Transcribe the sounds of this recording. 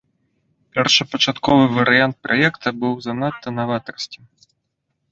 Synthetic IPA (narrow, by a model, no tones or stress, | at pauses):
pʲɛrʂɨpɐt͡ʂat̪kɔvɨvɐɾɨjant̪̚pɾʔajɛkt̪ʰɐbɨwzɐnat̪ʰːɐnavat̪ɐrsʲt͡sʲi̥